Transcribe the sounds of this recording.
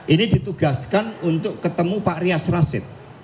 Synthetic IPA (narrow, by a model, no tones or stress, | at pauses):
ʔinidit̪uɡ̥askanunt̪ʊkːət̪əmupaʔɾiasrasɪ̰t̪̚